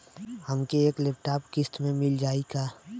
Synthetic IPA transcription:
həmkeeːklɪp̚ʈaːpkɪst̪mẽmɪld͡ʒaːikaː

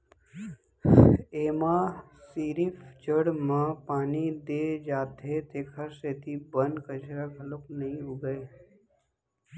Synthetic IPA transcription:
eːmaː | siːɾift͡ʃəɽmãːpaːnid̪eːd͡ʒaːt̪et̪eːkʰaɾseːt̪ibənkət͡ʃɾaɡɐlʊknɐɦĩʊɡəe

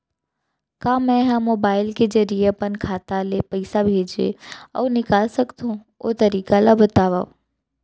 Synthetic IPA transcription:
kãːmɛ̃ɦãmoːbaːɪlked͡ʒəɾijepənkʰaːt̪alepəɪsabʱeːd͡ʒḛɔ̰ʋnɪkaːlsəkt̪ũ | o̰t̪əɾiːkalabət̪aːʋaː

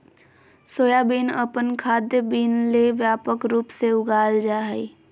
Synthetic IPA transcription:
soːjabiːnəpənkʰaːd̪jəbiːnleʋjaːpəkɾuːpseʊɡaːld͡ʒaːɦəi

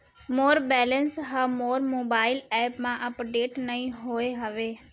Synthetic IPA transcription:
moːɾbɛːlənsɦamoːɾmoːbaːɪlɛːpmãʔɐpɖeːʈnɐĩɦoːeɦɐʋeː

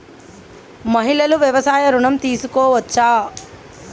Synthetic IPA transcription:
mɐɦilɐluʋjɐʋɐsaːjɐɾuɳɐmt̪iːsukoːʋɐtːʃaː

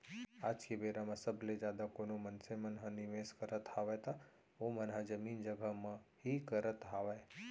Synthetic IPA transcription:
aːd͡ʒkebeːɾamãsəbʱled͡ʒjaːd̪akoːnomənsemənɦãniʋeskəɾət̪haːʋajt̪a | omənɦad͡ʒəmiːnd͡ʒəɡʱəmãhikəɾət̪ɦaːʋae

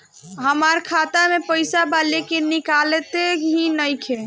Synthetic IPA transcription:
ɦəmaɾkʰat̪amepəɪsabalekenikalet̪ekɦinəjkʰe

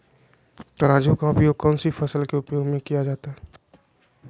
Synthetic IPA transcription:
t̪ɐɾaːd͡ʒõkaʊpjokɔːnsifɐsəlkeʊpjoːɡmẽkijad͡ʒaːt̪aɦɛ

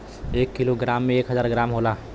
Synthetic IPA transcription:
eːkːiloɡɾaːmːẽeːkɦəzaːɾɡɾaːmɦoːlaː

